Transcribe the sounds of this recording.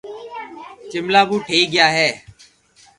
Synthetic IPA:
t͡ʃɪmlaːbuːʈʰeːiːɡɪjaːɦɛː

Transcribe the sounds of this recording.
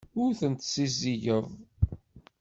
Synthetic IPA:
ʊɾθənt̪siziʝəðˤ

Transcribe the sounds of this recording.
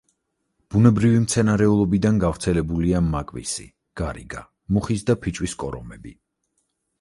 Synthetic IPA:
b̥unɛbɾivimt̪sʰɛnaɾɛulˠɔbid̪anɡavɾt̪sʰɛlɛbuliamːakʼvḭsḭ | ɡ̥aɾḭɡa | muχisd̪apʰit͡ʃʼwiskʼɔɾɔmɛbi

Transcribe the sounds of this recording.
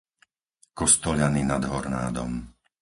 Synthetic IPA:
kɔst̪ɔʎaninad̪ɦɔɾnaːd̪ɔ̰m

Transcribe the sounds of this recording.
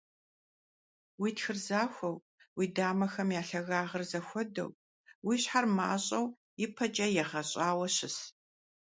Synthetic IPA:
wiːtxɨrzaːxʷɔw | wiːdaːmɐxɐmjaːɬɐɣaːʁɐrzɐxʷɔdɐ̰w | wiːɕħarmaːɕʼɐw | jɪpʰɐt͡ʃʼɐjɛʁɐɕʼaːwɐɕɪs

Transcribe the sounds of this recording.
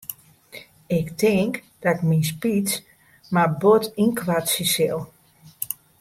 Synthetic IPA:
ɪktɪŋk | d̥ɔɪkminspit͡s | mabotinkʋatsisɪlˠ

